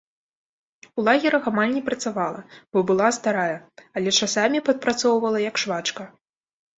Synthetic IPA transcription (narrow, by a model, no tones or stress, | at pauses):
ulˠaɣʲiɾɐxamalʲnʲɛpɾɐt̪savalˠɐ̰b̥ɔbɨlˠast̪aɾajɐɐlʲɛt͡ʂasamʲipɐt̪̚pɾat̪sɔwvɐlˠɐjɐkʂvat͡ʂkɐ